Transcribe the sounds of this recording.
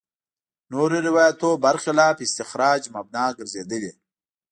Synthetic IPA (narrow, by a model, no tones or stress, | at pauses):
noɾeɾɪwaːjat̪obaɾxɪlɑːpɪst̪ɪxɾɑːd͡ʒmab̚nɑːɡəɾzed̪əle